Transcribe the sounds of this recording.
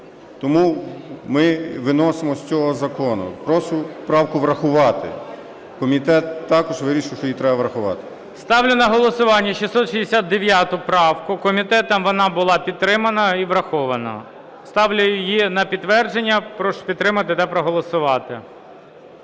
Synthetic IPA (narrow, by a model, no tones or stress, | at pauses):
t̪ɔmumɪʋɪnɔsemɔsʲt͡sʲɔɦɔzɐkɔnʊ̰pɾɔsʊpɾɑwkʊʋɾɐxʊʋɑt̪ɪ̰ | kɔmʲit̪ɛt̪ːɑkɔʒʋɪɾʲiʃɪwʃt͡ʃɔjit̪ɾɛbɐʋɾɐxʊʋɑ̰t̪ɪ̥ | st̪ɑwlʲʊnɐɦɔlˠɔsʊʋɑnʲːɐʃisɔt̪ʃizd̪esʲad̪̚d̪eʋʲjat̪ʊpɾɑwkʊkɔmʲit̪ɛt̪ɐmʋɔnɑbʊlˠɑpʲid̪̚t̪ːɾɪmɐnɐiʋɾɐxɔʋɐnɐ̰ | st̪ɑwlʲʊjʊjinɐpʲid̪t̪ːʋɛrd͡ʒenʲːɐpɾɔʃʊ̥pʲid̪t̪ːɾɪmɐt̪ɪt̪ɐpɾɔɦɔlˠɔsʊʋɑt̪ɪ